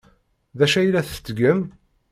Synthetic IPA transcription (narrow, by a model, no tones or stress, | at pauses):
ðæʃæjlæθə̥t͡s̪ːɡəm